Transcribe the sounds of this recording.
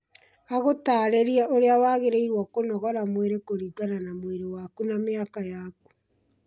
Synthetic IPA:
aɣotaːɾeɾiaʔoɾeawaɣeɾeiɾwɔkonɔɣɔɾamweɾekoɾiɡananamweɾewakunameakajaːk̚u̥

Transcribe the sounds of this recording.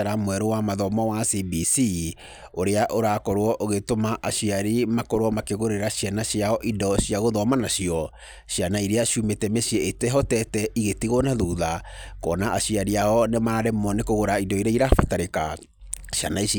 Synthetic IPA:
aɾamwɛɾowamaðɔmɔwasibisi | oɾeaʔoɾakoɾwɔʔoɣetomaʔaʃiaɾimakoɾwɔmakeɣoɾeɾaɕjanaɕiaɔʔidɔɕiaɣoðɔmanaɕiɔ | ɕianaiɾeaʃumetɛmeɕiɛetɛɦɔtɛtɛʔiɣetiɣonaðuðakɔnaʔaɕiaɾiaɔnemaɾaɾɛmɔnekoɣoɾaidɔiɾaiɾafataɾeka | ɕja̰nai

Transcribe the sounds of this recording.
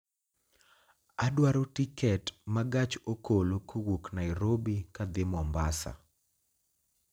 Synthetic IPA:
adwaɾotikɛtmaɡat͡ʃokolokowoknajɾobikad̪ɪmɔmbasa̰

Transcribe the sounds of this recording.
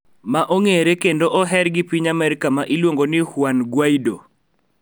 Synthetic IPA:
maʔoŋeɾekendoʔɔɦɛɾɡɪpiɲamɛɾɪkamaʔilwoŋɡonɪhwanɡwaido̰

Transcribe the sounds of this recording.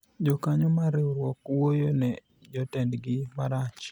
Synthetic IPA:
d͡ʒɔkaɲomaɾɪuɾwɔkwojonɛ | d͡ʒɔtɛndɡɪmaɾat͡ʃ

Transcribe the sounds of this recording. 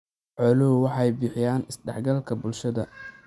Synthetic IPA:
ʕɔlʊwwɑħɑjbɪħɪjaːnɪsɖɛħɡɐlkʰɐbʊlʃɐðɐ

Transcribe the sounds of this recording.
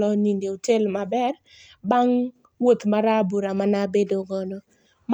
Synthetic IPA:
lɔnindeotelmabɛr | baŋ | wot̪maɾabuɾamanabedoŋɔno | m

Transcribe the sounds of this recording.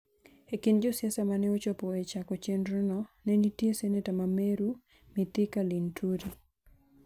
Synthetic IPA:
ekɪnd͡ʒosjasamanɛot͡ʃɔpɔet͡ʃakɔt͡ʃenɾunɔnɛnitjesɛnetamameɾu | mɪt̪ɪkalintʰuɾi

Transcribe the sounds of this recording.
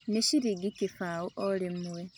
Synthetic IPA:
neʃiɾiɡikifawuʔolimuwe

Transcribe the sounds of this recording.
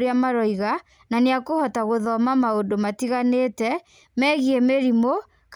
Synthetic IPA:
ɾeamaɾɔiɣa | naneakohɔtaɣoðɔmamaondomatiɣaneːtɛ | mɛɣiɛmeɾimo | k

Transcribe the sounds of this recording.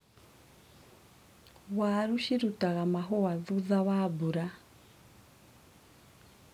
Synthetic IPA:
waːɾuʃiɾutaɣamaɦɔwaðuðaβabuɾa

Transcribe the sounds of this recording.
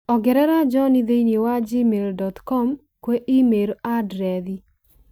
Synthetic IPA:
ɔɡɛɾɛɾad͡ʒɔnid̪einewad͡ʒimeɾdɔtkɔm | kweʔɪmeɾadɾɛd̪i

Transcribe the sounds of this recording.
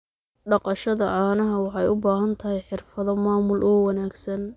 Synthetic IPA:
ɖɑqɑʃɐðɐʔaːnɐɦɐwɑħɑjʊbaːɦɐnt̪ʰɐɦɛjħɪrfɐðɔmaːmʊlʔɔːwɑnaːɡsɐn

